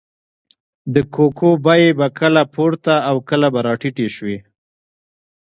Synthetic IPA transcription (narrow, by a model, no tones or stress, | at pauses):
d̪əkʰokʰobajebakʰəlapʰoɾt̪aːwkəlabaɾɑʈiʈeʃwe